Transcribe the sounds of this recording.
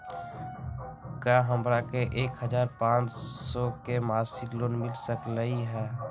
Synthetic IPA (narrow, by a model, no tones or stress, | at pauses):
kjaːɦəmɾakeʔeːkɦəd͡ʒaːɾpãːt͡ʃsɔkemaːsɪkloːnmɪlsəkləiɦɛː